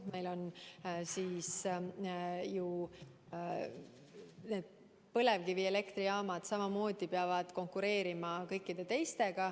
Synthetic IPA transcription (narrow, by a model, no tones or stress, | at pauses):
me̞jlo̞nsiːs | ju | ne̞ːd̪̥̚ | pɤle̞vkivie̞le̞kt̪riɑːmɑd̪̥sɑmɑmo̞ːd̪̥ipeɑvɑd̪̥ko̞ŋkuɾe̞ːɾimɑkɤjkːˑid̪̥e̞t̪e̞jst̪e̞ɡ̥ɑ